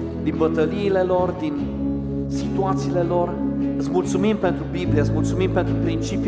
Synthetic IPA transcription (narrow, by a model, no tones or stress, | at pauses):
d̪inbət̪əliːle̞lo̞rd̪in | sit̪uat̪siːle̞lo̞rɨt̪sʲmult̪sumimpe̞nt̪ɾubiblieəɨt̪ʲmult̪sumimpe̞nt̪ɾupɾint͡ʃip